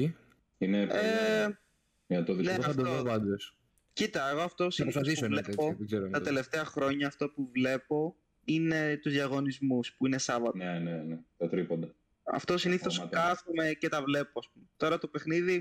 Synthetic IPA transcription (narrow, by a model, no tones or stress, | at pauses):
i | inee | ɐt̪oðineɐd̪oðovɐnd̪es | cit̪ɐeɣoɐft̪osinpɾiossðis̬ovleoɡzeɾot̪ɐt̪e̞le̞ft̪eɐxɾo̞ɲɐːft̪o̞puvle̞po̞ | ine̞t̪uzðjɐɣo̞nizmuspuine̞sɐvɐt̪enenet̪ot̪ɾipond̪ɐ | ɐ̰ft̪osiniθo̞skɐsumecet̪ɐvle̞poɐspumet̪o̞ɾɐt̪o̞pe̞xniði